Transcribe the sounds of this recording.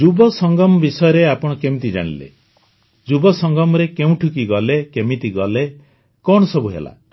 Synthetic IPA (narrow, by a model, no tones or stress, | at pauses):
d͡ʒubɔsɔŋɡɔmɔbisɔjɔɾeapɔɽ̃ɔkemit̪̬id͡ʒa̰ɽ̃ḭlḛ | d͡ʒubɔsɔŋɡɔmɔɾekeũʈʰukiɡɔlekemit̪iɡɔle | kɔɳɔsɔbuɦḛla̰